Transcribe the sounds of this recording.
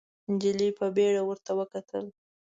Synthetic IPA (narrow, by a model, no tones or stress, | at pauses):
d͡ʒɪlipəbeɽawəɾt̪awəkat̪ʰə̰l